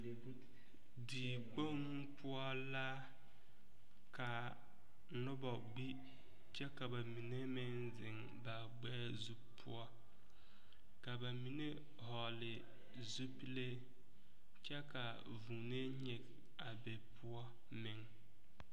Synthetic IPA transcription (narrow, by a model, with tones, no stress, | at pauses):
diː˨k͡po˦ŋ˦pʊ˦ɔ˦ | la˦ | ka˨ | nʊ˦bɔ˨ɡ͡bi˦ | t͡ʃɛ˦ka˨ba˨mi˨ne˦mɪ˦n | zɪ˨ŋ | ba˨ɡ͡bɛː˦zu˦pʰːʊ̰˦ɔ˦ | ka˨ba˨mi˨ne˦ | ɦɔ˨lɪ˨ | zu˦pi˦le˦ | t͡ʃɛ˦ka˨ | vu˨ne˦ɲe˨k | a˨be˨pʰʊ˦ɔ˦ | mɪ˨ŋ